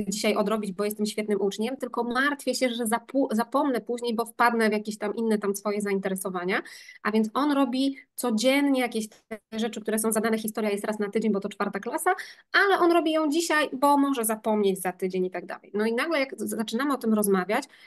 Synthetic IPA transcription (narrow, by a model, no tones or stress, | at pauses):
d͡ʑiɕajɔd̪ɾɔbʲid͡ʑbɔjɛst̪ɘmɕfʲjɛt̪nɘmʔut͡ʂɲɛmt̪ɘlkɔmaɾt̪fʲjɛɕɛʐɛzapuzapɔmnɛpuʑɲejbɔfpad̪nɛvʲjakʲeɕt̪amʔinːɛt̪amsfɔjɛzaint̪ɛɾɛsɔvaɲaʔavʲjɛnt̪sɔnɾɔbʲit̪sɔd͡ʑɛnɲɛjakʲeɕt̪ʐɛt͡ʂɘkt̪uɾɛsɔ̃w̃zad̪anɛxʲist̪ɔɾjajɛst̪ɾasnat̪ɘd͡ʑeɲbɔt̪ɔt͡ʂfaɾt̪aklasaʔalɛʔɔnɾɔbʲijɔ̃w̃d͡ʑiɕajbɔmɔʐɛzapɔmɲed͡ʑzat̪ɘd͡ʑeɲit̪aɡ̚d̪a̰lɛ̰jnɔinaɡlɛjakat͡ʂɘnamɘɔt̪ɘmɾɔzmavʲjat͡ɕ